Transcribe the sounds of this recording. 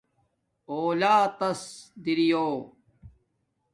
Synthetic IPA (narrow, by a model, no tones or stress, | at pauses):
oːlaːt̪ɐsd̪iɾijoː